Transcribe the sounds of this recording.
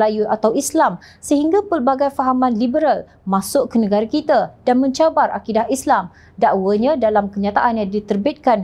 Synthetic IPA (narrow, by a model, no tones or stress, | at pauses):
lajuʔat̪awislamsəɦiŋɡapərbaɡajfaɦamãnlibəɾal | masʊʔkːənə̃ɡaɾakit̪adanmə̃ɲt͡ʃabarʔa̰kidahislam | daʔwəɲãdalamkəɲãt̪aʔanjaŋdit̪ərbit̪̚kan